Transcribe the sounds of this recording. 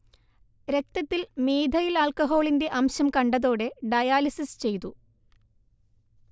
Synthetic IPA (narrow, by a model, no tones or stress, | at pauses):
ɾe̞k̚t̪ɐt̪ːilmiːd̪ʱɐjilaːɭkɐɦo̞ːɭinde̞ʔɐmɕɐmkɐɳɖɐðo̞ːɽe̞ɖɐjaːlisist͡ɕe̞jt̪u